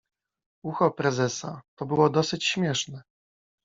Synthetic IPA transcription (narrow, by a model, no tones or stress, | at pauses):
uxɔpɾɛzɛsat̪ɔbɘwɔd̪ɔsɘt͡ɕɕmʲjɛʂnɛ